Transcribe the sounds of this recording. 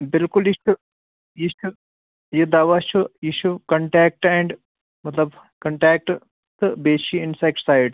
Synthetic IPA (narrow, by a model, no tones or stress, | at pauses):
bɪlkʊlit͡ʃʰu | jit͡ʃʰu | jid̪aːʋat͡ʃʰujiʃʰukɐɳʈɛːk̚ʈɛ̃ɳɖ | mɐt̪lɐb | kɐɳʈɛːk̚ʈ | t̪ɨbeːʃiɪ̃nsajk̚ʈsajɖ